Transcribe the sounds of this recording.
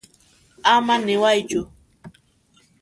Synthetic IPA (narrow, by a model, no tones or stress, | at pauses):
amanɪwajt͡ʃʊ